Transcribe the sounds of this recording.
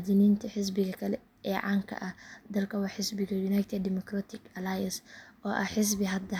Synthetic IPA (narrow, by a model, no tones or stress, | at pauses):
d̪inint̪ʰiħɪs̬bɪɡɐkʰɐlɛ | ʔɛʕaŋkʰɐ̰ʔɐd̪ɐlkɐwɐħɪsbɪɡɐjunajt̪ʰed̪ːɪmɔkɾat̪ɪkɐlajɐnsʔoːʔɐħɪs̬bɪɦɐd̪ɐ